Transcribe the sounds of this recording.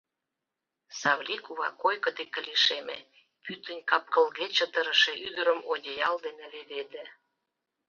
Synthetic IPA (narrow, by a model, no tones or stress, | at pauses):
sɑβlʲikuβɑ̰kojkə̆d̪ekə̆liʃemḛ | pyt̪ə̆nʲkɑp̚kə̆lɣet͡ɕə̆t̪əɾə̆ʃeʔyd̪əɾəmodʲejɑld̪enĕleβed̪ĕ